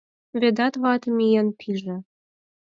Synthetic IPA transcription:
βĕd̪ɑt̪βɑt̪mijenpʰiʒĕ

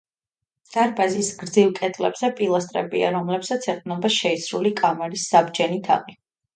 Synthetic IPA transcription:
d̪̥aɾbazisɡ̥ɾd̪zilkʼɛt̪ʼlɛbz̥ɛpʼilˠast̪ʼɾɛ̰bia̰ɾɔmlɛpsat̪sʰɛqʼnɔbaʃɛisɾulikʼamɛɾisːabd͡ʒɛnit̪ʰa̰qʼi

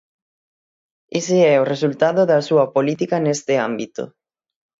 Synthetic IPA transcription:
esɪɛoresult̪aðoðɐsuɐpolit̪ikɐnest̪ɪambit̪o̰

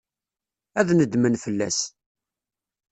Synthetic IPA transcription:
æðnəd̪mənfəlːæ̰s

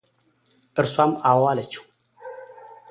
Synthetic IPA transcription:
ɨɾswamawalət͡ʃu̥

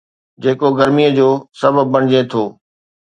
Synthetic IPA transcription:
d͡ʑeːkoɡɐɾmijəd͡ʑoːsɐbəːɐɽ̃ɪd͡ʑet̪ʰoː

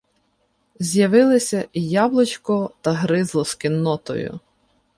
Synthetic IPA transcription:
zʲjɐʋɪlˠɪsʲɐjablˠɔt͡ʃkɔt̪ɐɦɾɪzlˠɔskɪnːɔt̪ɔ̰jʊ̰

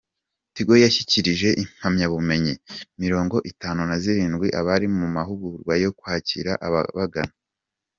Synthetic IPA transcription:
tiɡo̞jaçiciɾiʒe̞ʔim̥hamɲaβume̞ɲimiɾo̞ːŋɡo̞ʔitaːnunaziɾiːnɡwiʔaβaɾimumaɦuɡuɾɡwajo̞kwaːcḭɾaʔaβ̰βaɡana

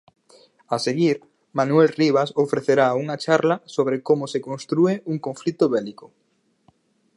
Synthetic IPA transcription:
aseɣiɾ | manuelriβ̞asofɾeθeɾauŋat͡ʃaɾlɐsoβɾekomʊsekõnst̪ɾueuŋkõɱflit̪ʊβɛlikʊ̥

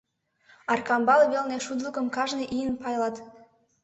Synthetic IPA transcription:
ɑrkɑmbɑlβelneʃud̪ləkəmkɑʒneʔijənpɑjlɑt̪

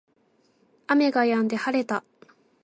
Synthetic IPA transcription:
ame̞ɡajãnd̪e̞haɾe̞t̪a

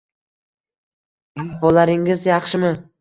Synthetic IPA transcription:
abolˠaɾɪŋɪzjɑχʃɪmɪ

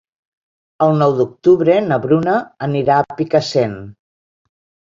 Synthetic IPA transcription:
əlˠnɔwd̪uk̚t̪uβɾenəβɾunəːniɾaːpikəsen

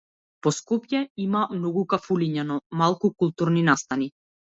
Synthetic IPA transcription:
pɔskɔpjɛimamnɔɡukafuliɲanɔmalˠkukulˠt̪uɾninast̪ani

